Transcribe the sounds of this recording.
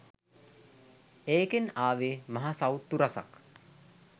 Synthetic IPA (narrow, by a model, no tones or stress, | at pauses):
eːkenaːʋemaɦasawt̪ːuɾasa̰k